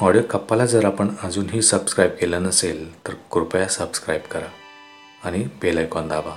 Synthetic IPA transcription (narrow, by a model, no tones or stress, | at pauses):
ɔɽjokəpːalad͡zəɾapəɳəd͡zuːnɦiːsəbskɾajb̚kelənəselt̪əɾkɾupjasəbskɾajbkəɾa | aɽ̃ibelajkɔ̃nd̪ʱaba